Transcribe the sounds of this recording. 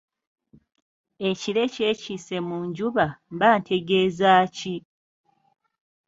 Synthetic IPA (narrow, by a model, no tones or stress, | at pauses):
e̞ciɾe̞cecise̞muːɲɟuβamβaːntʰe̞ɡe̞ːzaːci